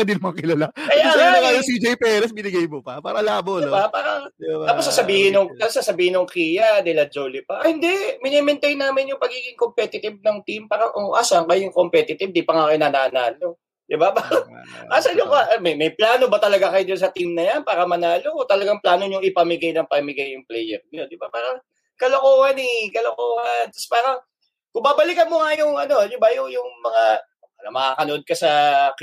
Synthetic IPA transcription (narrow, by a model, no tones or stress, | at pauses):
ɐd̪ɪnmɐŋakɪlɐlakɐjaːaŋajosid͡ʒɛjpɛɾɛsbɪnɪɡajmopɐpaːɾɐlaːboɪbapaːɾɐaːposɐsɐbiːhɪnoŋt̪ɐsasɐbiːhɪnoŋkiːjɐd̪ɛlɐd͡ʒoːlɪpɐʔhɪnd̪ɛmɪnɛmɛnt̪ɛjnaːmɪnjʊŋpɐɡiːɡɪŋkompɛt̪ɪt̪ɪb̚nɐŋt̪impaːɾɐŋʔoʔasaŋkɐjjʊŋkompɛt̪ɪt̪ɪb̚d̪ipɐŋakɪnɐnaːnaːlo̞ | d̪̥ɪbapaɾɐʔasɐɲʊŋaʔmɐjmɐjplaːno̞bɐt̪ɐlɐɡakɐjod̪ʊnsɐt̪imnɐjanpaːɾɐmɐnaːlokot̪ɐlɐɡaŋplaːno̞ɲʊŋɪpɐmɪɡajnɐŋpɐmɪɡajːʊŋplɛjɛɾnɪod̪ɪbapaːɾɐŋ | kɐlokoːhɐnɪkɐlokoːhɐnt̪ɐ̥spaːɾɐŋ | kʊmbaːbɐlɪkɐnmʊŋajʊŋʔɐno̞d̪ɪbajʊŋjʊŋmɐŋa | alɐmɐkaːkɐnoʔo̞d̪̚kɐsɐ